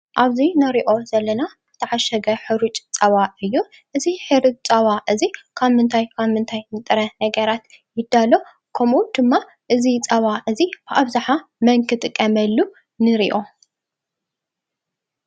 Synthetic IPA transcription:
ʔaβzinɐɾiʔo̞z̥ɐlːɐna | bɨt̪ʰɐʕaʃɐɡɐħɨɾut͡ʃʼt͡sʼɐβaɨjːu | ʔɨziħɨɾɨt͡ʃʼt͡sʼɐβaʔɨzikʰaβmɨnt̪ʰajkʰaβmɨnt̪ʰajnɨt̪ʼɨɾɐnɐɡɐɾat̪ | jɪd̪ːalo̞ | kʰɐmud̪̥ɨmːa | ʔɨzit͡sʼɐβaʔɨzib̥ɨʔaβzaħamɐŋkʰɨt̪ʼɨkʼːɐmɐlːu | nɨɾiʔo̞

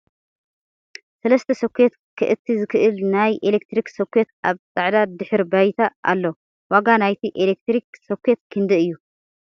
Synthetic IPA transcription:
sɐlɐst̪ʰɐsɐkʰʷet̪kʰɨʔɨt̪ʰːizɨkʰɨʔɨlnajʔelek̚t̪ɾiksɐkʰʷːet̪aβt͡sʼaʕd̪ad̪ɨħɨɾbajt̪ʰaʔa̰lːo | waɡanajt̪ʰiʔelek̚t̪ɾiksokʰʷːet̪̚kʰɨnd̪ɨɨjːu

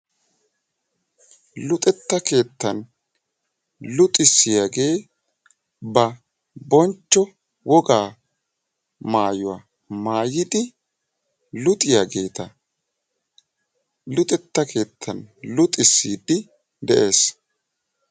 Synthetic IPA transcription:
lʊt̪ʼɛt̪ːɐke̞ːt̪ːɐn | lʊt̪ʼɪsːɪjaɡe̞ː | bɐ | bɔnt͡ʃːɔ | wɔɡaː | maːjʊwa | maːjɪd̪ɪ | lʊt̪ʼɪjaɡe̞ːt̪ɐ | lʊt̪ʼɛt̪ːɐkʰe̞ːt̪ʰːɐnlʊt̪ʼɪsːiːd̪ɪ | d̪ɛʔe̞ːs

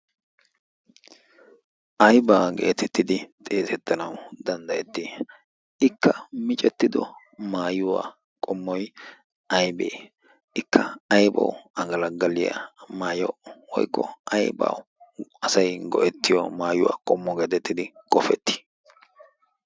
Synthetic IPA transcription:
ʔɐjbaːɡḛːt̪ʰɛt̪ːɪd̪ɪt̪ʼe̞ːt̪ɛt̪ːɐnɐwd̪ɐnd̪ɐjɛt̪ːɪ | ɪkʰːɐmɪt͡ʃʼɛt̪ːɪd̪ɔ | maːjʊwa̰ː | kʼɔmːɔj | ʔɐjbḛː | ʔɪkʰːɐɐjbɐ̰wɐɡɐlɐɡːɐlɪjɐ̰maːjɔʔɔwɔ̰jkːɔ̰ʔɐjba̰w | ɐsɐjɡɔʔɛt̪ːɪjɔ̰maːjʊwa̰ːkʼɔmːɔɡeːt̪ɛt̪ːɪd̪ɪkʼɔfɛt̪ːɪ̥

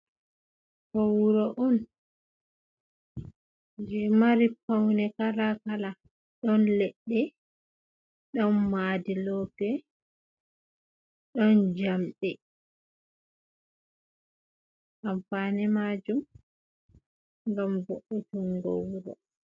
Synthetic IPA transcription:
howuɾɔʔɔn | d͡ʒɛmaɾipawnɛkalakala | ɗɔnlɛɗːɛ | ɗɔnmadilɔːkɛ | ɗɔnd͡ʒamɗɛ | ʔamfanɛmad͡ʒum | ŋɡamboʔutuŋɡo̰wɾɔ̰

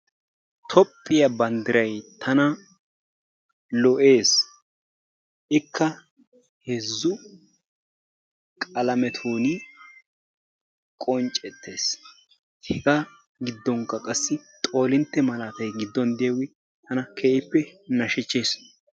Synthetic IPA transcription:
t̪ʰɔpʼːɪjɐbɐnd̪ɪɾɐjt̪ʰɐnɐ | lɔʔe̞ːs | ʔɪkʰːɐ | hɛzːʊ | kʼɐlɐmɛt̪ʰuːnɪ | kʼɔnt͡ʃʼɛt̪ːe̞ːs | hɛɡɐ | ɡɪd̪ːɔŋkːɐkʼɐsːɪt̪ʼo̞ːlɪnt̪ːɛmɐlaːt̪ɐjɡɪd̪ːɔnd̪ɪjɐɡɪ | t̪ʰɐnɐkʰeːʔɪpːɛnɐʃɛt͡ʃːeːs

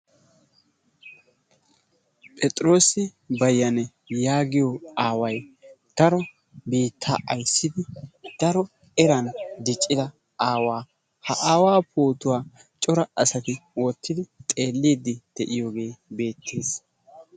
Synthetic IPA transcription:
pʼɛt̪ʼɾo̞ːsɪ | bɐjːɐnɛ | jaːɡɪjɔaːwɐj | d̪̥ɐɾɔ | biːt̪ʰːa̰ːʔɐjsːɪd̪ɪd̪̥ɐɾɔ | ɛɾɐnd̪ɪt͡ʃʼːɪd̪ɐ | ʔaːwaː | hɐʔaːwaːpʰoːt̪ʊwaː | t͡ʃʼɔɾɐɐsɐt̪ɪwɔt̪ːɪd̪ɪt̪ʼe̞ːlːiːd̪ːɪd̪̥ɛʔɪjoːɡe̞ːbe̞ːt̪ʰːeːs

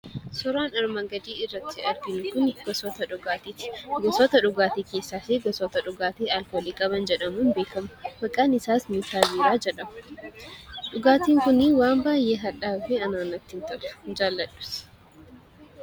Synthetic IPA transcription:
sɔɾaːnɐɾmɐŋɡɐd̪iːɪrːɐt̪ːɪɐɾɡɪnʊkʊnɡɔsɔt̪ɐᶑʊɡat̪iɡɔsɔt̪ɐᶑʊɡaːt̪iːkeːsːaːseːɡɔsoːt̪ɐᶑʊɡaːt̪eːɐlkoːliːkʼɐbɐnd͡ʒɛᶑɐmuːnbe̞ːkɐmɐ̥mɐkʼaːnɪsaːsmiːsaːbiːɾaːd͡ʒɛᶑɐmɐ̥ | ᶑʊɡaːt̪iːŋkʊnɪwaːmbaːjʔeːɦɐᶑaːfɛɐnaːnɐt̪ːɪnt̪ɐᶑɐ̥d͡ʒaːlːɐᶑʊ̥s

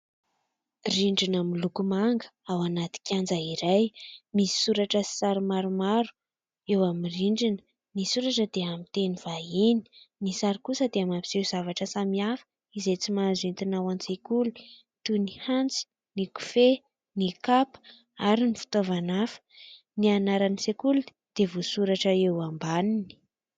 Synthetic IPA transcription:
riɳɖ͡ʐinamilukumaŋɡə̥awanat̪i̥kʲand͡zəiɾajmisi̥suɾaʈ͡ʂəsi̥saɾimaɾumaɾu̥ | ewamiriɳɖ͡ʐin | nisuɾaʈ͡ʂəd̪eamit̪eniv̥aini̥nisaɾikusəd̪eamapiz̥ewz̥avaʈ͡ʂəsamiafə̥ | izejt͡simazint̪inawansekuli | t̪unihant͡si̥ | niku̥fe | nikapə̥ | a̰ɾinifi̥t̪ovanafə̥ | nianaɾanisekuli | d̪̥evosuɾaʈ͡ʂəewambanini̥

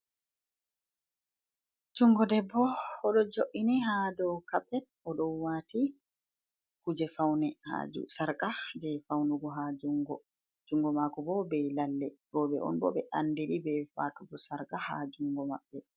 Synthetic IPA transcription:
d͡ʒuŋɡɔdɛbːɔɔɗɔd͡ʒoʔiniɦadɔkaɓɛnʔɔɗɔnwaːti | kud͡ʒɛfawnɛha̰d͡ʒṵsaɾkad͡ʒɛfawnuɡɔɦad͡ʒuŋɡɔ | d͡ʒuŋɡɔmakɔbɔbɛlalːɛɡ̥ɔɓɛ̰ʔɔ̰nbɔ̰bɛʔandiɗibɛfa̰ːtuɡɔsaɾkaha̰d͡ʒuŋɡɔma̰ɓːɛ

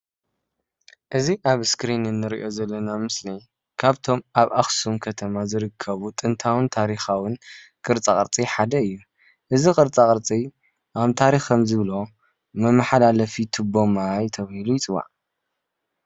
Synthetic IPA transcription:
ʔɨziʔaβskɾinɨnːɨɾḭʔo̞zɐlːɐnamɨsli | kʰaβt̪ʰo̞mʔaβʔaxsumkʰɐt̪ʰɐmazɨɾɨkʰːɐβut̪ʼɨnt̪ʰawɨnt̪ʰaɾixawɨnkʼɨɾt͡sʼakʼɨɾt͡sʼiħad̪ɐɨjːu | ʔɨzikʼɨɾt͡sʼakʼɨɾt͡sʼi | ʔaβt̪ʰaɾixkʰɐmzɨβlo̞ | mɐmːaħalalɐfit̪ʰɨbo̞majt̪ʰɐβahilujɪt͡sʼɨβa̰ʕ

